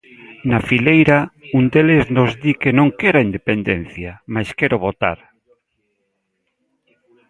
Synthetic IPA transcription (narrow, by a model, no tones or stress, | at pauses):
nafilejɾaund̪eleznozd̪ikenõŋkeɾaind̪epend̪en̟θjamajskeɾoβot̪a̰ɾ